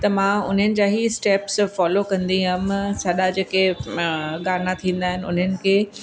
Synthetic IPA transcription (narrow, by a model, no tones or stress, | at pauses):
t̪ɐmãːʊ̰n̤ənɪ̆d͡ʑaːɦisʈeːpsfɔːlokɐ̃nd̪iɦɐmsɐɗad͡ʑeːke | ɡaːɾnat̪ʰĩːn̆d̪aːɦɪnɪ̆ʊ̰n̤ənɪ̆kʰeː